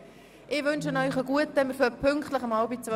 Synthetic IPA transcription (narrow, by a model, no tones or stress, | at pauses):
ʔɪʋɵnʃənœʏχəɡuətɛməɾføpʰʏŋkχtləχəmɑʊbit͡sʋœ